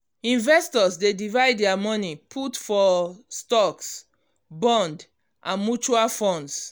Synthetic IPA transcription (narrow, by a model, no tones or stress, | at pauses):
ĩnvɛstɔsdedivaɪdɛamɔnipʰutfɔstɔks | bɔ̃nd | ʔãnmut͡ʃualfɔ̃nds